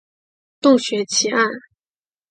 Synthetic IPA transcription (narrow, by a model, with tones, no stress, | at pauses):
t̪ʊ˥˩ŋɕɥɛ˧˥t͡ɕʰi˧˥a˥˩n